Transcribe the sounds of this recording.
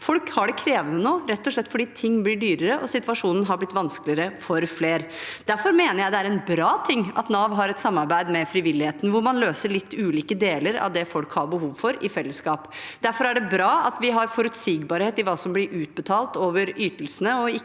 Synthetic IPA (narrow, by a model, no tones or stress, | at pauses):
fɔlkhɑɖɛkʰɾeːʋənənoːɾɛt̪ːɔʂɭɛt̪ːfɔɖiːt̪ʰɪŋːblɪɖyːɾəɾəʔɔsɪt̪ʋɑʂuːnən̩ɦɑɾblɪt̪ːʋɑnsklɪəɾəfɔɾfleːɾd̪̥æɾfɔɾmeːnəɾjæɪd̪ɛæɾɛnbɾɑːt̪ʰɪŋːɑ̰t̪nɑʋɦɑɾɛt̪sɑmːɑɾbæɪd̪mɛfɾɪʋɪlːɪheːt̪nʋʊɾmɑnløːsəɭɪt̪ːʉːliːkəd̪eːləɾɑ̰ʋd̪ɛfɔlkhɑɾbəɦuːʋfɔɾɪfɛlːəskɑːpd̪̥æɾfɔɾæɖɛbɾɑːɑt̪ʋɪɦɑɾfɔɾʉt̪siːɡbɑɾheːt̪ɪʋɑːsɔmblɪɾʔʉːt̪̚bət̪ʰɑːlt̪oːʋəɾyːt̪əlsənəɔɪ